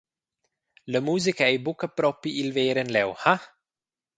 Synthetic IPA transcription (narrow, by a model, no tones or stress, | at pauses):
ləmuːzikaejbukəpɾɔpiilveːɾənlɛwha